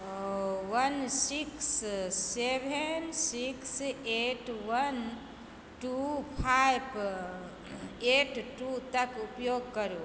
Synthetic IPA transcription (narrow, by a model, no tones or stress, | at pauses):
ʋənsikssebʱensikseʈʋən | ʈupʰajb | eʈʈut̪əkupjoːɡ̚kəɾo